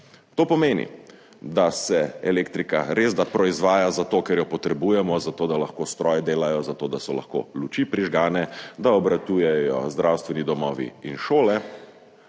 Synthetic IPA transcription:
t̪oːpɔmeːnḭ | d̪asɛɛleːkt̪ɾikaɾezd̪apɾɔizʋaːjazat̪okɛɾjɔpɔt̪ɾɛbujɛmɔzat̪oːd̪alaxkoːst̪ɾɔjɛd̪eːlajɔzat̪oːd̪asɔla̰xko̰ːlut͡ʃipɾiʒɡaːnɛd̪aɔbɾat̪uːjɛjɔzd̪ɾawst̪ʋɛnid̪ɔmɔːʋḭinʃoːlɛ

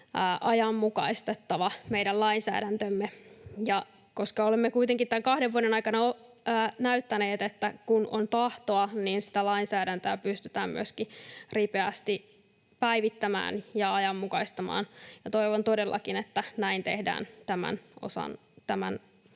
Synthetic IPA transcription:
ʔɑjɑmːukɑ̰ist̪et̪ːɑʋɑmeidællɑinsæ̰ːdænt̪ømːejɑ | ko̞skɑolemːekuit̪eŋkit̪æŋkɑhdeʋuoɾenɑikɑnɑoː | næyt̪ːæneːt̪et̪ːækuno̰nt̪ɑht̪oɑninsi̥t̪ælɑinsæːɾænt̪øːpyst̪yt̪æːmmy̰øskiripeæst̪i | pæiʋit̪ːæmæ̰ːnjɑɑjɑmːukɑist̪ɑmɑ̰ːnjɑt̪o̞iʋont̪odelːʔɑ̰kinet̪ːænæint̪ehdæ̰ːnt̪æmæ̰nʔo̰sɑ̰n | t̪æmæ̰n

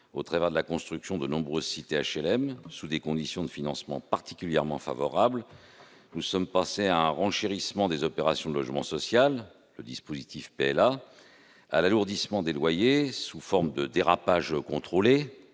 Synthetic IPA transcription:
ot̪χavɛʁd̪əlakɔ̃st̪χyksjɔ̃d̪ənɔ̃bʁøzsit̪eaʃɛlɛmsud̪ekɔ̃d̪isjɔ̃d̪əfinɑ̃smɑ̃paʁt̪i̥kʲyljɛʁmɑ̃fa̰vɔʁabl | nusɔmpɑ̃seaɛ̃ʁɑ̃ʃeʁismɑ̃d̪ezɔpeʁasjɔ̃d̪əlɔʒmɑ̃sɔsjalː | əd̪ispozit̪ifpeɛla | a̰laluʁd̪ismɑ̃d̪elwajesufɔʁmd̪əd̪eʁapaʒkɔ̃t̪χole

